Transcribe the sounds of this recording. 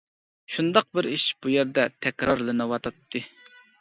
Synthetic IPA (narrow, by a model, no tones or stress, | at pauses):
ʃund̪ɑq̚bɪɾiʃb̥ujeɾd̪ɛt̪ʰɛkʲɾɑɾlˠɨnɨwɑt̪ʰɑt̪ʰːɨ